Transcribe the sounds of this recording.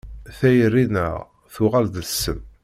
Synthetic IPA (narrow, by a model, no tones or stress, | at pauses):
θæjərːinə̰ʁ | θʊʁald̪sːəm